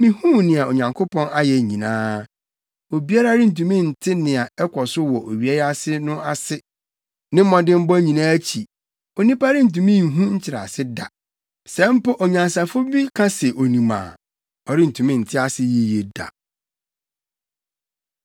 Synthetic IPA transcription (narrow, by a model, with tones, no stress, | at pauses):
mĩ˨hũ˦nɪ̃˨a˨o˨ɲã˨ŋkʰʊ˦pʰɔ̃˦na˦jɛ˨ɲĩ˨nãː˦ | o˨bi˦a˦ɾa˦ɾɪ˦n̩˨tũ˨mĩ˦˨n̩˨tʰɪ˦nɪ̃˨a˨ɛ˦kʷʰɔ˨sʊ˦wɔ˨ʔo˨ɥi˨˦ɛ˦ja˦sɪ˦nʊ̃˦a˨sɪ˦ | nɪ̃˦mɔ̃˨dɪ̃˦m̩˦bɔ˦ɲĩ˨nãː˦æ˦t͡ɕʰi˨ | o˨nĩ˦pa˦ɾɪ˦n̩˨t̬ũ˨mĩ˦˨ɦũ˦ɲ̩˦t͡ɕʰɪ˨ɾa̰˨sɪ˦da̰˨ | sɛ̃˦m̩˦pʊ˦ʔɔ˨ɲã˨nsa˨fʊ˦bi˦kʰã˦sɛ˨ʔo˨nĩ˨mã̰ː˨ | ɔ˨ɾɪ˦n̩˨tʰũ˨mĩ˦n̩˨tʰɪ˦a˦sɪ˦ji˦je˨da̰˨